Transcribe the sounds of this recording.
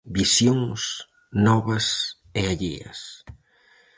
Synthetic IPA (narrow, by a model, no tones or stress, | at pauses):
bisjoŋs | nɔβɐs | eaʎḭɐ̰s